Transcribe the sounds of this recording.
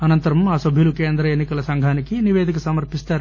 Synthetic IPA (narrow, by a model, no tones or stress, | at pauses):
ɐnɐnt̪ɐɾɐmaːsɐbʱilukeːnd̪ɾɐenikɐlɐsɐŋɡʱaːnikiniʋeːd̪ikesɐmɐɾpist̪aːɾ